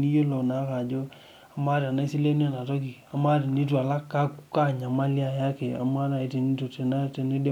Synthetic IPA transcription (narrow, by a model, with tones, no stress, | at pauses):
ni˦jo˦lo˨na˨˦ka˨d͡ʒo˦ | a˨ma˦ɾa˨na˦si˦le˦ne˦na˨tɔ˦ki˨a˨ma˦ɾi˨ni˦t̬u˦a˨la˦kːa˦ku˦ka˦ɲa˨ma˦li˦a˨ja˦ke˨a̰˨˦ma˦na˨i˨ti˨ni˦to˨te˨na˦˨te˨˦ne˦de˦